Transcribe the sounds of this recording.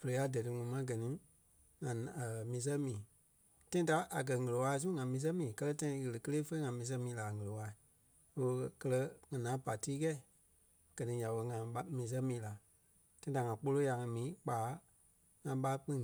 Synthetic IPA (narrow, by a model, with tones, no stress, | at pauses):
fə˨le˨˦a˧˦dɜ˨tɨ˧ŋũ˨˦mã˧˦ɡɜ˨nĩ˨˦ | ŋã˨mĩː˨˦s̬ɛ˦mĩː˨ | tã˦ĩ˦da˨˦ʔa˨ɡɜ˨ŋə˨lə˨waː˧˦˧s̬ũ˦ŋã˨mĩː˨˦s̬ɛ̃˦mĩː˨kɜ˦lɜ˧tã˧ĩ˧ɣə˨lɨ˨kə˦eː˦fə˦ŋã˨mĩː˨˦s̬ɛ̃˧˦mĩː˨˦la˨ŋə˨lo˨wa˧˦i˨ | o˦o˧kkɜ˦˧lɜ˧ŋã˨nãː˨˦pa˨tiː˦kɛ˦i˨ | ɡ̥ɜ˨nĩ˧˦ɲã˨ɓə˧˦ŋã˨ɓmĩː˨˦s̬ɛ̃˦mĩː˨˦la˨ | tã˦ĩ˦da˨ŋã˨k͡po˦lo˦ja˨ŋã˧mĩː˨˦k͡paː˨˦ | ŋã˨˧ɓa˦k͡pĩ˦